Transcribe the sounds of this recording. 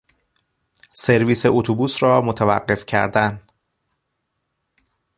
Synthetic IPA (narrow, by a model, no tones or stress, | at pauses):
seɾviːseʔot̪ʰobuːsrɒːmot̪ʰævæ̰ɢːe̞fcʰæ̰ɾd̪æn